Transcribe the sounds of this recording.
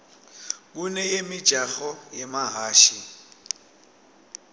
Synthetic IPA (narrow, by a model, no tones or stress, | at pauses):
kunɛjemɪ̥ʒ̥ʱaɣɔjemaɦaːʃi